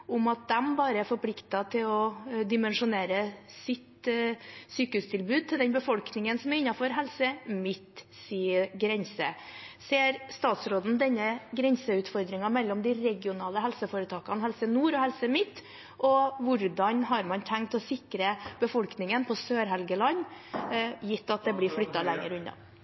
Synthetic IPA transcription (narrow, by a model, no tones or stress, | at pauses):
ʊmɑt̪̚d̪ɛmbɑːɾəæɾfɔɾpʰlɪkt̪ɑt̪ʰɪlɔd̪ɪmɛnʂʊneːɾəsɪt̪ | syːkəhʉːst̪ʰɪlbʉːd̪̚t̪ɪld̪ɛnbəfɔlknɪŋənsɔmæɾɪnːɑfɔɾɦɛlsəmɪt̪ː | siːəɾɡɾɛnsəseːɾst̪ɑːt̪sɾoːd̪n̩d̪ɛnːəɡɾɛnsəʉːt̪fɔɾd̪ɾɪŋɑmɛlːɔmd̪ɪɾɛɡɪʊnɑːləɦɛlsəfoːɾət̪ʰɑːkɑnhɛlsənuːɾɔhɛlsəmɪt̪ː | ʔɔʋʊɾd̪ɑnɦɑɾmɑnt̪ʰæŋk̚t̪ɔsɪkɾəb̥əfɔlknɪŋənpʰɔsøːɾɦɛlɡəlɑnː | jɪt̪ːɑt̪̚d̪ɛblɪflʏt̪ːɑlɛŋːə̰ɾʉnːɑ̰